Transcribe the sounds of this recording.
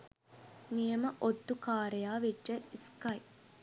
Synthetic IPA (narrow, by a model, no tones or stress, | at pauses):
nijəməʔod̪ːukaːɾejaːʋiʈːəiskɐj